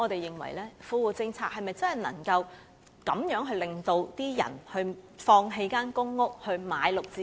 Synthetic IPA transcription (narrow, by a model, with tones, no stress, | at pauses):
ŋɔː˨˧t̪e˨jːɪ˨ŋwɐ̰˨˩jlɛː˥fuː˧wuː˨˩t͡sɪ˧ŋt͡sʰaː˧k̚hɐ˨jmɐ˨jt͡sɐ˥nɦɐ˨˩jnɐ̰˨˩ŋkɐ˧w | kɐ˨˥mjœː˨˥ŋɦɵ˧ɥlɪ˨ŋt̪o˧wt̪iː˥jɐ̰˨˩nhɵ˧ɥfɔː˧ŋɦe˧jkaː˥nkʊ˥ŋːʊ˥k̚hɵ˧ɥmaː˨˧jlʊ˨k̚t͡siː˧